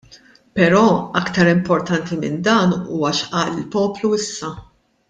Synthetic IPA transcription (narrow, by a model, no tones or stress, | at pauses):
pɛɾɔːɐkt̪ɐɾɪmpɔɾt̪ɐnt̪imɪ̰nd̪ɐːnṵːwɐʃʔɐːlɪlpɔːpluɪsːɐ